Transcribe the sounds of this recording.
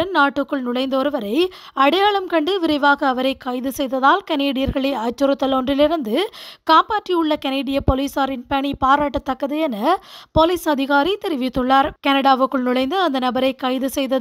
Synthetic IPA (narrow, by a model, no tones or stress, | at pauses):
ɐnnaːʈːɯkːɯɭnʊɭɐɪnd̪ɔɾɯʋɐɾɐɪ | ɐɽɐjaːɭɐmkɐɳɖɯʋɪɾɐɪʋaːɣɐːʋɐɾɐɪkɐɪðɯsɛjðɐðaːlkɐneːɽɪjɐɾɣɐɭeːɐːt͡ʃːɯɾɯt̪ːɐlɔndrɪlɪɾɯnd̪ɯkaːmpaːʈriɯɭːɐkɐneːɽɪjɐpoːliːsaːɾɪnpɐɳipaːɾaːʈːɐt̪ːɐkːɐðɯjɛnɐpoliːsɐðɪɣaːɾit̪ɛɾɪʋɪt̪ːɯɭːaːɾkɐnɐɽaːʋɯkːɯɭnʊɭɐɪnd̪ɯɐnd̪ɐnɐbɐɾɐɪkɐɪðɯsɛjðɐð